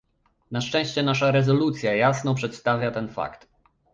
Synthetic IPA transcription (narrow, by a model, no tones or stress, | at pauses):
naʂt͡ʂɛ̃w̃ɕt͡ɕɛnaʂaɾɛzɔlut̪sʲjajasnɔpʂɛt̪st̪avʲjat̪ɛnfa̰kt̪